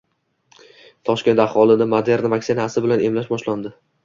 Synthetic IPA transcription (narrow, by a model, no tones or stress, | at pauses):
t̪ʰɒʃkʲe̞nt̪ahwɒlˠɪnɪmod̪e̞ɾnvakʲsɪnasɪbɪlane̞mlaʃbɒʃland̪ɪ